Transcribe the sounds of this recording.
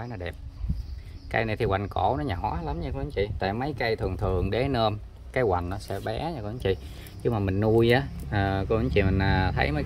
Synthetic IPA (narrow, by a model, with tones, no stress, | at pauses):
jnɔ˨˦ɗɛ˨˩p̚ | ka˧jna˨˩jt̪ʰi˨˩wa˨˩jŋ̟kɔ˧˩nɔ˨˦ɲaː˨˩hɔ˨˦jla˨˦mɲa˧ko˧˨ɨ˨˦ŋt͡ɕḭ˧˨t̪a̰ː˧˨jmə˨˦jkə˧jt̪ʰɨ˨˩əŋt̪ʰɨ˨˩əŋɗe˨˦nəː˧m | kaː˨˦jkwa̰˨˩jŋ̟nɔ˨˦sɛ̰˧˥ɓɛ˨˦ɲa˧ko˧˨˦ŋt͡ɕḭ˧˨ | ɲɨ˧maː˨˩mï˨˩ŋ̟nu˧jʔaː˨˦ʔəː˨˩kɔ˧˦ʔɨ˨˧˦ŋt͡ɕḭ˧˨mï˨˩ŋ̟əː˨˩t̪ʰə˨˦jmə˨˦